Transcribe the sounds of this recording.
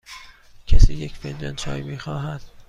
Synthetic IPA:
cʰæsiːjecfend̪ɒnt͡ʃʰɒ̰ːjmiːxɒːɦæd̪̥

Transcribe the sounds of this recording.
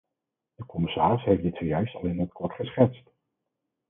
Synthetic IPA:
d̥əkɔmɪsaːrɪsɦejfdɪtsojœɥstɑ̰lˠɪnət̚kɔtχəsχɛtst

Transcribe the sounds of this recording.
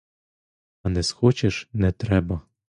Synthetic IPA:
anɛsxot͡ɕɛʃnɛt̪ɾɛbɐ

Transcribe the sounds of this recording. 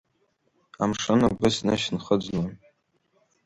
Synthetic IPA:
amʂɨnaɡɨsnɨʃnχəd͡ʒʷlan

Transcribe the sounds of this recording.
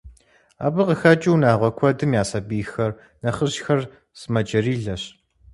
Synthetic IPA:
a̰ːbɨqəxɐt͡ʃʼɪwnaːʁʷɔkʷʰɔdɨmjaːsɐbiːxɐr | nɐχəʑxɐr | sɨmɐt͡ʃʼɐriːɮɐɕ

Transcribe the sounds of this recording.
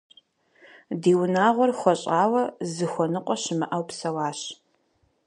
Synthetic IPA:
diːwʊnaːʁʷɔrxʷɔɕʼaːwɐzɨxʷɔnɨqʷʼɔɕɪmɨʔɐwpsɐwaːɕ

